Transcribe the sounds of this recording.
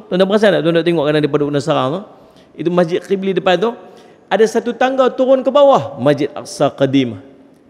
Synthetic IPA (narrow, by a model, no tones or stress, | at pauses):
t̪ɔnt̪abəas̬anaʔt̪ɔndɔʔt̪iŋɔʔkadadipadukənasaɾaŋt̪ʊ | it̪umasd͡ʒɪt̪̚qiblidəpant̪ʊ | adasat̪ut̪aŋɡat̪uɾʊnkəbawahmad͡ʒɪt̪̚a̰qsaqadima